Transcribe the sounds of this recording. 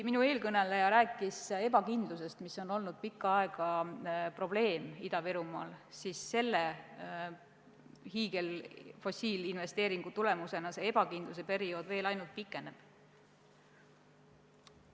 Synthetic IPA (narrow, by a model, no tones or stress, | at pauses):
minue̞ːlkɤne̞lejɑɾæːkːˑise̞bɑkind̪luse̞st̪miso̞no̞lnud̪̥̚pikːˑɑɑeɡ̥ɑpro̞b̥le̞ːmid̪̥ɑveɾumɑːlsisːe̞lːe̞ | hiːɡe̞lfo̞sʲiːlinve̞st̪e̞ːɾiŋɡ̥ut̪ule̞muse̞nɑse̞e̞b̥ɑkind̪lus̬e̞pe̞ɾio̞ːd̪ve̞ːlɑjnult̪̚pikːˑe̞ne̞b̥